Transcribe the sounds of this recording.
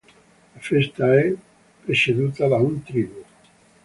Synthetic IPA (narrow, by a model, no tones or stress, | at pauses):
lafest̪ae | pɾeseðut̪aðaunt̪ɾiβu